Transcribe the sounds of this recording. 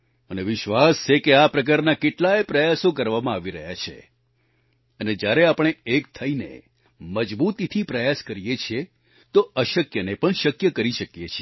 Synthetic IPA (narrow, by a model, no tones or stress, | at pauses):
məneʋɪʃʋast͡ʃʰekeapɾək̬aɾnakeʈlaepɾəjasõkəɾʋamãaʋiɾəɦjat͡ʃʰḛ | əned͡ʒjaɾeapɳ̃eek̚t̪ʰəinḛ | məd͡ʒbut̪it̪ʰipɾəjaskəɾijet͡ʃʰie | t̪oəʃəkjənepəɳʃəkjəkəɾiʃəkjet͡ʃʰie